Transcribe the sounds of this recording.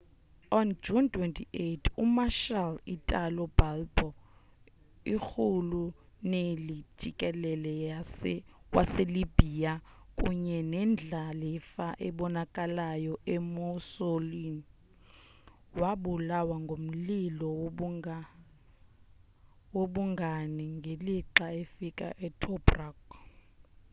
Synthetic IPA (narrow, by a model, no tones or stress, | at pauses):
ɔnd͡ʒuntʰʼwɛntʰiʔetʰumaʃalitʼalɔb̥albɔ | ixʰulu | neli̥d͡ʒ̥ʱikʼɛlɛlɛ | wʔaselib̥ʱiakʼṵɲɛnɛnd͡ɮʱalɛfaʔɛɓɔnakʼalajɔʔɛmusolini | waɓulawaŋɡʱom̩lilɔ | woɓuŋɡʱaniŋɡʱeliǃaefikʼa̰ʔɛtʰɔbrak